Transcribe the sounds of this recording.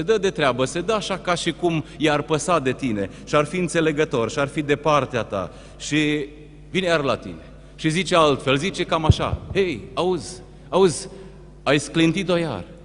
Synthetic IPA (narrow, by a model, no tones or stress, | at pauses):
se̞d̪əd̪e̞t̪ɾeabəse̞d̪əaʃakaʃikumjarpəsad̪e̞t̪ine̞ | ʃiarfiɨnt̪se̞le̞ɡət̪o̞rʃiarfid̪e̞part̪eat̪a̰ | ʃi | vinjarlat̪ḭne̞ | ʃizit͡ʃealt̪fe̞lzit͡ʃe̞kamaʃa̰hejauzʲ | auzʲ | ajsklint̪it̪o̞ja̰r